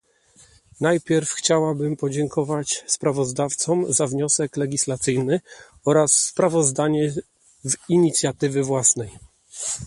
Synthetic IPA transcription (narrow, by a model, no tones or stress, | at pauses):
najpʲjɛɾfxt͡ɕawabɘmpɔd͡ʑɛŋkʰɔvat͡ɕspɾavɔzd̪aft̪sɔmzavɲɔsɛklɛɡʲislat̪sɘjnɘ | ɔɾasːpɾavɔzd̪aɲɛ | viɲit̪sʲjat̪ɘvɘvwasnɛj